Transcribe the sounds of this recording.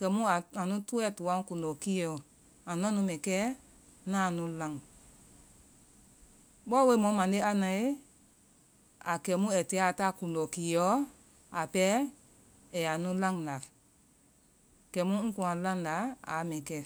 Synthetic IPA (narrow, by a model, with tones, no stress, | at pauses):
kɛ˨˦mũ˦a˨ã˨nũ˦tu˦ɛ˦˨tu˨ã˦kũ˨dɔ˨ki˦ɔ˨ | ã˨nɔ̃˦nũ˧˦mɛ̃˨kɛ˦ | nãː˦˨nũ˨˦lã˧˨ŋ | ɓɔ˦we˨˧˦mɔ̃˨˦mã˨de˦a˧nã˨e˦ | a˨kɛ˨˦mũ˦ɛ˨tɛː˨˦a˨ta˦˨kũ˨dɔ˨ki˨˦jɔ˨˦ | a˨pɛ˦ | ɛ˨a˨nũ˨˦lã˦ŋ˨la˨ | kɛ˨˦mũ˦ŋ̩̃˦kũ˧˨ã˨lã˦ŋ˨la˨˦a̰˨˦mɛ̃˨kɛ˧˨